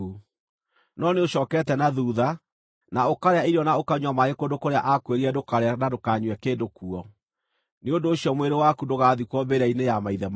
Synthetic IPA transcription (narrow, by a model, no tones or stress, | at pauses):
u | nɔneoɕɔːkɛːtɛnaðuːða | naokaɾeaiɾiɔnaokaɲwamaɣekondokoɾeaʔakweɾiɛdokaɾeanadokaɲwɛkeːdokuɔ | neondoːɕjɔmweɾewakudoɣaðikwɔbeɾainejamaiðɛm